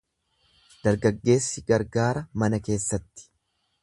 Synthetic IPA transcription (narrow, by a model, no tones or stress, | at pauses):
d̪̥ɐɾɡɐɡːe̞ːsːɪɡɐɾɡaːɾɐmɐnɐke̞ːsːɐt̪ːɪ̥